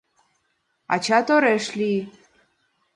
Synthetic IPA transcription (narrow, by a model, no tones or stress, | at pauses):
a̰t͡ʃʰat̪oɾɛʃli